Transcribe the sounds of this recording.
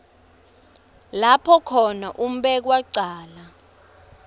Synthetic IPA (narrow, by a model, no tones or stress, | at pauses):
lapʰɔkʰɔnaʔum̩ɓɛk̬waǀaːla